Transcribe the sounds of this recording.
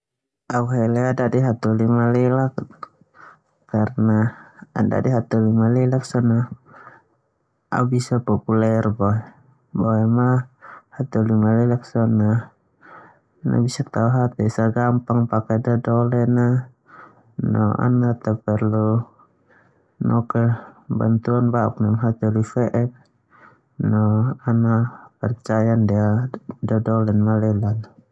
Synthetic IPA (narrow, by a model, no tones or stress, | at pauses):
auɦɛlɛadadiɦat̪ulimalɛlak̚ | karnaːda̰diɦat̪ulimalɛlaksɔna | a̰ubisapɔpulɛrbɔɛ | bɔɛmahat̪ulimalɛlak̚sɔna | na̰bisak̚t̪auɦat̪ɛsaɡampaŋpakɛdadɔlɛna | nɔ̰a̰nat̪apɛrlu | nʔɔkɛba̰nt̪uanbaṵk̚namɦat̪ɔlifɛʔɛp̚ | nɔanapɛrt͡ʃajandiadadɔlɛnmalɛlana